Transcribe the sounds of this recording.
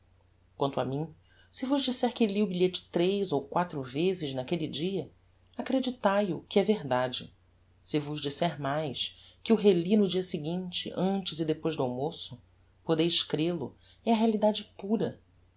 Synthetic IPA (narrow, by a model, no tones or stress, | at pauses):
kwɐ̃nt̪ʊɐmĩ | sɪvʊʒd͡ʒisɛɾkɪliʊbiʎet͡ʃɪ̥t̪ɾejzowkwat̪ɾʊvezɪznakelid͡ʒiɐ | akɾed͡ʒit̪ajʊkɪɛveɾd̪ad͡ʒɪ | sɪvʊʒd͡ʒisɛɾmajskɪʊɦelinʊd͡ʒiɐsɪɡĩt͡ʃɪ̰ʔɐ̃nt͡ʃɪzɪd̪epojzd̪ʊawmosʊ | pod̪ejʃkɾelʊ | ɛɐɦealid̪ad͡ʒɪpuɾɐ